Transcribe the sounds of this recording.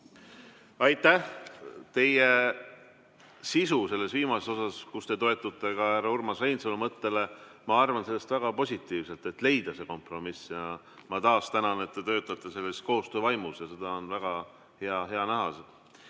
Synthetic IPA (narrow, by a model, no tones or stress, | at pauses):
ɑjt̪ˑːæht̪e̞je | sisuse̞lːe̞sviːmɑseso̞sɑskust̪e̞t̪o̞e̞t̪ːˑut̪ːˑe̞kɑæɾɑurmɑsejnsolemɤt̪ːe̞le | mɑɑrvɑnse̞lːe̞st̪væɡ̥ɑpo̞sʲit̪ːˑiːvse̞lt̪e̞t̪le̞jd̪̥ɑse̞ko̞mpro̞misjɑ | mɑt̪ɑːst̪ænɑne̞t̪ːe̞t̪ø̞ːt̪ːˑɑt̪ːˑe̞se̞lːe̞st̪̚ko̞ːst̪øːvɑjmusjɑse̞d̪̥ɑo̞nvæɡ̥ɑ | he̞ɑɦe̞ɑnæɦɑse